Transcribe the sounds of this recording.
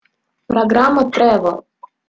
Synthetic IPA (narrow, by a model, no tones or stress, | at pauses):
pɾaɡɾamɔt̪ɾɛʋɔ